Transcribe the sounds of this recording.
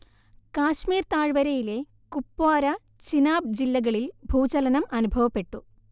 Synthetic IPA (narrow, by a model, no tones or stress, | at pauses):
kaːɕmiːrt̪aːɻʋɐɾɐjile̞ | kupːaːɾɐ | t͡ɕinaːb̚d͡ʑilːɐɣɐɭilbʱuːt͡ɕɐlɐnɐmɐnubʱɐʋɐpːe̞ʈːu